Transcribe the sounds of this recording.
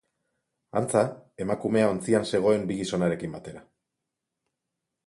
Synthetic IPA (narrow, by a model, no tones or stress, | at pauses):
ant͡sae̞makume̞aont͡sianse̞ɣ̞o̞e̞mbiɣiso̞naɾe̞kimbat̪e̞ɾa